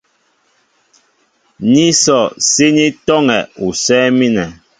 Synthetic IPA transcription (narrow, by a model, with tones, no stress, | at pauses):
ɲi˦sɔ˨se˦ni˦tɔ˦ŋɛ˨u˨sɛː˦mi˦nɛ˨